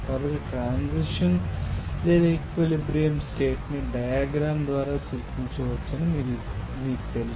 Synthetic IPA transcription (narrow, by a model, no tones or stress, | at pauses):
kaːbɐʈːiʈɾaːnsiʂɐnleːd̪aekʋelibɾijɐmskeːʈniɖɐjaːɡɾaːmd̪ʋaːɾaːsilkiɲt͡ʃuʋɐt͡ʃːɐnimiːu | miːku̥t̪eli